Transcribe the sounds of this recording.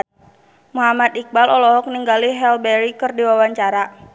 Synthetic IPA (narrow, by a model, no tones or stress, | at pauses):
muɦamat̪ik̚balɔlɔɦɔk̚niŋɡaliɦɛlbɛɾikɨrdiwawaɲt͡ʃaɾa